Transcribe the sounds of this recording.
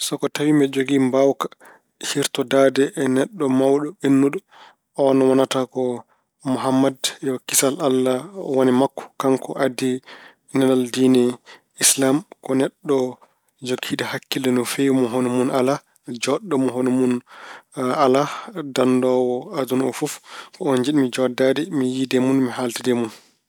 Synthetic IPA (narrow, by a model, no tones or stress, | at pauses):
sɔkɔtawimbɛd͡ʒoɡimbawkḁ | hiɾtɔdadɛʔːnɛɗːɔmawɗɔenːuɗɔ | ɔnɔwanatakɔ | muɦamːadjɔkisalalːawanimakːɔ̥kaŋkʰɔʔadi | nɛlaldiːnɛ | islamkɔnɛɗːɔ | d͡ʒoɡʰːiɗɛhakːilɛnɔfemɔɦonumunala | d͡ʒɔɗːɔmɔɦonumun | aladandɔwɔadunɔfufkɔɔnd͡ʒiɗmid͡ʒɔdadɛmijidɛmunmiɦaltidɛmun